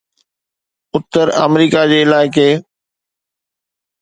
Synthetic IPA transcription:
ʊt̪ːəɾɐ̰mɾiːkad͡ʑeːɪlaːɪke

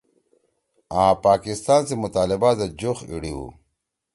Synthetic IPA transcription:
ãːpaːkist̪aːnsemut̪aːlibad̪ɐd͡ʑoxḭɽiwṵ

